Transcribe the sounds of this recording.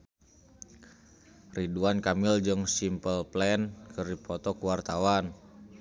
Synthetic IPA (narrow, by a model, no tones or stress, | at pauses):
riduankamild͡ʒəŋsimpəlplɛnkərdipɔt̪ɔkuwart̪awan